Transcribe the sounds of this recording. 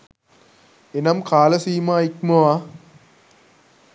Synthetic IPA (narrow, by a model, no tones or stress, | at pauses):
enɐmkaːlɐsiːmaːikmɐʋaː